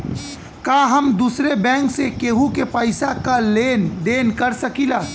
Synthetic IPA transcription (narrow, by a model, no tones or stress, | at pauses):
kaɦəmd̪usɾebɛ̃ːŋksekeːɦũkepəɪsakaleːnd̪eːnkəɾsəkila